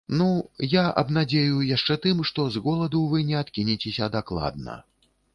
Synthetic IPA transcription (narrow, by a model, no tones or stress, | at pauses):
nujaʔɐ̰bnad͡zʲejujaʂt͡ʂɛt̪ɨmʂt̪ɔzɣɔlˠɐd̪uvɨnʲɛat̪kʲinʲit͡sʲesʲɐd̪aklˠa̰d̪̚nɐ̰